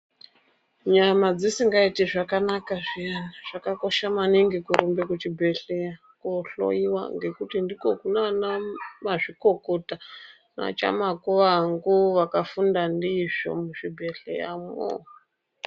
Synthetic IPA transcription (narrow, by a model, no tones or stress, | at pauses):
ɲamad͡zisiŋɡaitiʐakanakaʐianaʐ̥akako̞ʃamaniŋɡikuɾumbekut͡ʃibʱeɬe | koɬo̰iwa̰ŋɡe̞kutindikokunanamaʐikokota | na̰t͡ʃa̰makuʋaŋɡuʋakafundandiʐ̥o̰muʃibʱeɬḛja̰mo̰